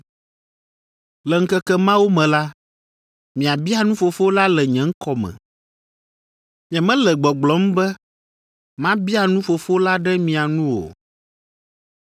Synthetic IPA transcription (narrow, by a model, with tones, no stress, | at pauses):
lɛ˨ŋ̩˦kɛ˦kɛ˦mã˦wo˦mɛ̃˨la˦ | mĩ˨a˨bi˦a˦nũ˦fo˨fo˦la˦lɛ˨ɲɛ̃˨˦ŋ̩˦kɔ˦mɛ̰̃˨ | ɲɛ̃˨mɛ̃˦lɛ˨ɡ͡bɔ˨ɡ͡blɔ˨˦m̩˦bɛ˦ | mã˦bi˦a˨nũ˦fo˨fo˦la˦ɖɛ˦mĩ˨a˨nũ˦wo̰˨